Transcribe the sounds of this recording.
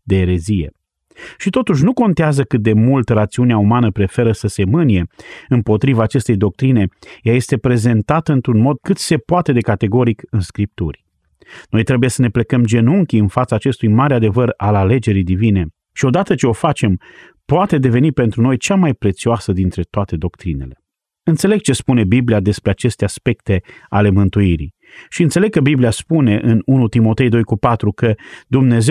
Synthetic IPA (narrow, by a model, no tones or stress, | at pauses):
d̪eːɾe̞zije̞̰ | ʃit̪o̞t̪uʃ̬nuko̞nt̪eazəkɨt̪̚d̪e̞mult̪rat̪siuneaumanəpɾe̞fe̞ɾəsəse̞mɨnije̞ɨmpo̞t̪ɾivaːt͡ʃe̞st̪e̞jd̪o̞k̚t̪ɾine̞jaje̞st̪e̞pɾe̞ze̞nt̪at̪əɨnt̪ɾunmo̞d̪̚kɨt̪se̞poat̪e̞d̪e̞kat̪e̞ɡo̞ɾikɨnskɾip̚t̪ṵrʲ | no̞jt̪ɾe̞buje̞səne̞ple̞kəmd͡ʒe̞nuŋkʲiɨnfat̪saːt͡ʃe̞st̪ujmaɾead̪e̞vəralale̞d͡ʒe̞ɾijd̪ivine̞ | ʃio̞d̪at̪ət͡ʃe̞o̞fat͡ʃe̞m | poat̪e̞d̪e̞ve̞nipe̞nt̪ɾuno̞jt͡ʃamajpɾe̞t̪sioasəd̪int̪ɾe̞t̪oat̪e̞d̪o̞kt̪ɾine̞̰le̞ | ɨnt̪se̞le̞ɡ̚t͡ʃe̞spune̞bibliad̪e̞spɾeat͡ʃe̞st̪easpe̞k̚t̪e̞ale̞mɨnt̪uiɾḭ | ʃiɨnt̪seleɡ̚kəbibliaspune̞ʔɨnunut̪imo̞t̪e̞jd̪o̞jkupat̪ɾukəd̪umne̞ze